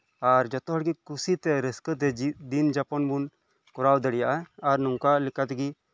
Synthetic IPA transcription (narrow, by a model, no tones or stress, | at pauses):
aɾd͡ʒɔt̪ɔɦɔɽɡikusit̪ɛɾəskət̪ɛd̪ind͡ʒapɔnbun | kɔɾawd̪əɽijaʔaaɾnɔŋkalikat̪ɛɡi